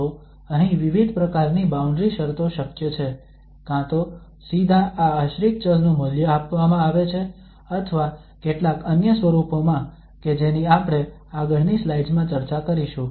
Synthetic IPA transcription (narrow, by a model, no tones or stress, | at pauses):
o | əɦĩʋiʋid̪ʱpɾəkaɾnibaũɳɖɾiʃəɾt̪oʃəkjət͡ʃʰe | kãt̪o | sid̪ʱaʔaəʃɾik̚t͡ʃəznũməljəapʋamãaʋet͡ʃʰe | ət̪ʰəʋa | keʈlakənjəsʋəɾupomã | ked͡ʒeniapɽ̃e | aɡəɾnislajɖd͡ʒmãt͡ʃəɾt͡ʃakəɾiʃũ